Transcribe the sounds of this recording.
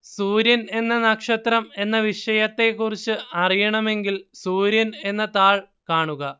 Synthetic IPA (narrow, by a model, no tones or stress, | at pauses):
suːɾjɐne̞nːɐnɐkʂɐt̪rɐme̞nːɐʋiʂɐjɐt̪ːe̞kːurit͡ɕːɨɐrijɐɳɐme̞ŋɡilsuːɾjɐne̞nːɐt̪aːɭ | kaːɳuɣɐ